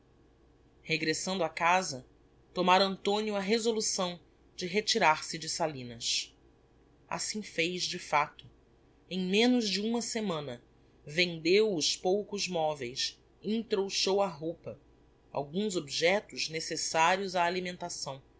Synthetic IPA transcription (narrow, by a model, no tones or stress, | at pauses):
heɡɾesɐ̃nd̪ʊakazɐ | t̪omaɾɐ̃nt̪õniʊɐɦezolusɐ̃w̃ | d͡ʒɪɦet͡ʃiɾaɾsɪd͡ʒɪsalĩnɐs | a̰sĩfejzd͡ʒɪfat̪ʊ | ẽj̃mẽnʊzd͡ʒɪũmɐsemɐ̃nɐ | vẽnd̪ewʊʃpowkʊzmɔvejs | ĩŋt̪ɾowʃowɐɦowpɐ | a̰wɡũzobiʒɛt̪ʊznesesaɾiʊzaːlimẽnt̪asɐ̃w̃